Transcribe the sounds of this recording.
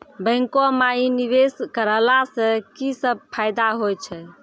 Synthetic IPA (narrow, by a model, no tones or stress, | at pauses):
bəɪ̃ŋkomainiβeskəɾəlasə̃kisəb̚pʰajd̪aɦojt͡ʃʰɛ